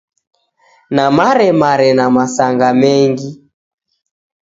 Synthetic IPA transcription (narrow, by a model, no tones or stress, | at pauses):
namaɾɛmaɾɛnamasaŋɡamɛŋɡi